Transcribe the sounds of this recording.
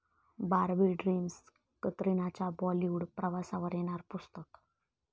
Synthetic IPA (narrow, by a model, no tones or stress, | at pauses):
baɾbiɖɾims | kət̪ɾinat͡ɕabɔliuɽpɾəʋasaʋəɾeɽ̃aɾpust̪ək